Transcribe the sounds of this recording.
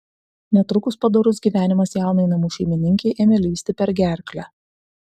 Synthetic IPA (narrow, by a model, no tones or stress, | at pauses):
nʲɛt̪ɾʊkʊspɐd̪oɾʊs̬ɡʲiːʋʲæːnʲɪmɐsjæˑʊnɐɪnɐmuːʃʲɛɪmʲɪnʲɪŋʲkʲɛɪʔeːmʲɛlʲiːsʲt̪ʲɪpʲɛɾʲɡʲæˑɾʲklʲæ